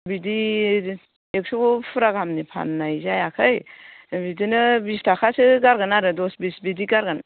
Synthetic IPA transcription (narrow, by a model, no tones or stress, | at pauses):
bidi | ek̚sukpʰuɾaɡamnipʰa̰nnajzajakʰɯjbidinɯbistʰakʰasɯɡaɾɡanaɾɯdɔsbisbidiɡaɾɡan